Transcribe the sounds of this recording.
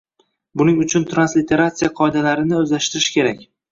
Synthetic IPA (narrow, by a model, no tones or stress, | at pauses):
bʊnɪŋʊt͡ʃʰʊnt̪ʰɾanslɪt̪ʰe̞ɾat̪sɨjaqʰɒed̪alaɾɪnɪɵzlaʃt̪ɪɾɪʃkʲe̞ɾakʲ